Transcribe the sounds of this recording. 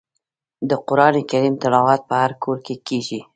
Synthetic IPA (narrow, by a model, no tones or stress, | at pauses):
d̪əqʊɾɑnekaɾimt̪ɪlɑwɑt̪̚pəhaɾkʰoɾkekeʒi